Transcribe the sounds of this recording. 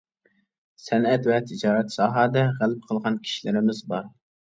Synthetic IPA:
sɛnɛt̪vɛt̪ʰɪd͡ʒɑːɾɛt̪sɑːɦɑːd̪ɛʁælɪp̚qʰəlˠʁɑnkʲʰi̥ʃilɪɾɪmɪzbɑɾ

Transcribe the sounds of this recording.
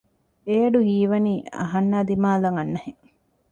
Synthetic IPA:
ejɐɖuɦiːʋɐniːɐ̰ɦɐnːaːd̪imaːlɐŋɐnːɐheŋ

